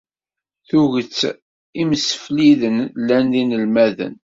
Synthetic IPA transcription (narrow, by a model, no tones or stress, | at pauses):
θuʝət͡sː | iməsə̥fliðənlːænðinəlmæðə̰n